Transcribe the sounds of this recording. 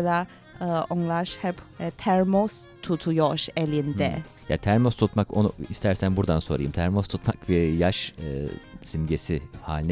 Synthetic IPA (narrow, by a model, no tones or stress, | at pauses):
lˠa | oŋlˠaʃhɛpt̪ʰæɾmost̪ʰut̪ʰujoʃelʲind̪ɛ̰ | ja̰t̪ʰæɾmost̪ʰut̪mako̰nuist̪ʰæɾsænbuɾd̪anso̞ɾa̰jɯmt̪ʰæɾmost̪ʰut̪makbiɾjaʃɯːsimɟesiha̰ːlʲinɛ